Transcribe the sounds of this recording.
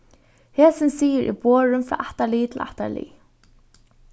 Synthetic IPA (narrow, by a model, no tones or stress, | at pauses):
heːsɪnsiːɪɾʔḭboːɹʏmfɹɑ̰ːʔaht̪aliːt̪ʰɪla̰ht̪a̰lḭː